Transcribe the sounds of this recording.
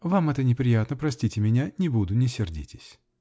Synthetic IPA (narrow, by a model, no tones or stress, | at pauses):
vamɛt̪ənʲɪpɾʲɪjat̪nəpɾɐsʲtʲitʲɪmʲɪnʲanʲɪbud̪ʊnʲɪsʲɪrdʲḭtʲɪ̥sʲ